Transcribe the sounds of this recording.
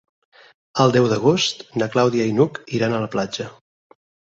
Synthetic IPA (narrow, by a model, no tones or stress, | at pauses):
əlˠd̪ɛwðəɣ̞ost̪nəklawðiəinukiɾanələplad͡ʒə